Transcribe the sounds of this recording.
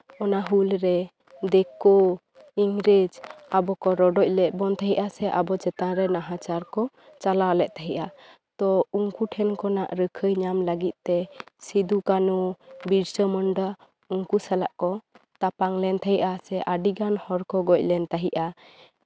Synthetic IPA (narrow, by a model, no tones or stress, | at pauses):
ɔnaɦulɾɛ | d̪ɛkɔ | iŋɾid͡ʒabɔkɔɾɔɖɔc̚ˀlɛc̪̚ˀbɔnt̪ʰaɦiʔasɛʔabɔt͡ʃɛt̪ãɾɛnaɦat͡ʃaɾkɔ | t͡ʃalalɛʔ̚t̪aɦiʔa | t̪ɔuŋkuʈʰɛnkɔnaʔɾəkʰəjɲamləɡit̪̚t̪ɛsid̪ukanubiɾsəmɔɳɖa | uŋkusalaʔkɔ | t̪apaŋlɛnt̪ʰaɦiʔasɛʔaɖiɡanhɔɾkɔɡɔc̚ˀlɛnt̪aɦiʔa